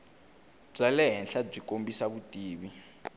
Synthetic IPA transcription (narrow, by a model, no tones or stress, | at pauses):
b͡ʐalɛɦɛnɬab͡ʐikʼombisaβutʼiːβi